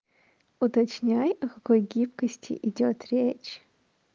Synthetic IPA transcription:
ut̪ɐt͡ʃnʲajɐkɐkojɡʲipkəsʲtʲɪ̰ʔidʲot̪rʲet͡ʃ

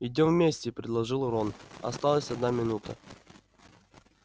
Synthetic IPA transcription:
ɪdʲomvmʲesʲtʲɪpɾʲɪd̪lˠɐʐɨlˠɾonɐ̰st̪alˠəsʲɐd̪namʲɪnut̪ʰə̰

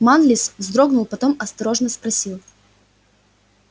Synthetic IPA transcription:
manlʲiszd̪ɾo̞ɡnʊlˠpɐt̪o̞mɐst̪ɐɾo̞ʐnəspɾɐsʲilˠ

